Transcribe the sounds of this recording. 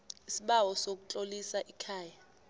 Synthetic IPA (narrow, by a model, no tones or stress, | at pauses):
isiɓawɔsok̬ut͡ɬʼolisaʔikʰaːja